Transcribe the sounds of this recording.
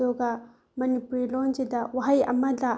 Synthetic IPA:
oɡɐ | mɐnipuɾilond͡ʒedɐwaɦɐjɐ̰mɐdɐ

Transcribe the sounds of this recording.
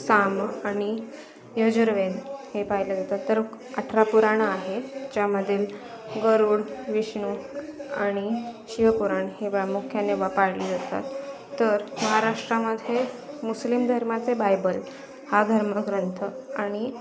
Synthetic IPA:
samaɽ̃i | jəd͡ʑəɾʋed̪hepaɦiləd͡zat̪at̪ːəɾ | əʈʰɾapuɾaɳ̃aɦed͡ʑjaməd̪ʱːil | ɡəɾuːɽʋiɕɳ̃uaɽ̃iɕiʋəpuɾaɳheʋɭamukʰjaneʋapaɽliːd͡zat̪a̰t̪ː | əɾməɦaɾaʂʈɾaməd̪ʱːje | muslimd̪ʱəɾmat͡sebajbəl | had̪ʱəɾməɡɾənt̪ʰəaɽ̃i

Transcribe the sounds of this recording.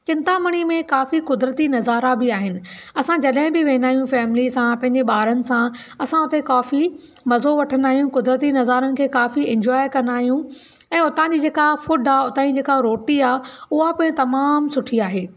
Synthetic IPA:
t͡ɕɪ̃nt̪amɐɽ̃imẽkaːfikʊd̪ɾət̪inɐzaːɾabɪaːɦɪnɪ̆ɐsãd͡ʑɐɗɦɪ̃bɪʋẽːnd̪aːɦijũfɛːmɪlisãpɐ̃ɦɪ̃ɲd͡ʑeɓaːɾənɪ̆sã | ɐsãʊt̪ekaːfi | mɐzoʋɐʈʰənd̪aːɦijũkʊd̪ɾət̪inɐzaːɾənɪ̆kʰeːkaːfiɪ̃ɲd͡ʑɔːɪkɐ̃nd̪aːɦijũ | ɛ̃ːʊt̪ãd͡ʑiːd͡ʑeːkafʊɖʱaːʊt̪ãːid͡ʑeːkaɾoːʈiaːʊɦapɐːɪ̃t̪ɐmaːmsʊʈʰiaːɦeː

